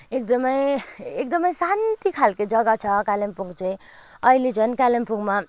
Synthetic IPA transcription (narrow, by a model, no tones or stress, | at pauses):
ek̚d̪ʌmʌjek̚d̪ʌmʌjsant̪ikʰalkod͡zʌɡʌt͡sʰʌkalempuŋɡt͡sʌĩ | ʌiled͡zʰʱʌnkalempuɡma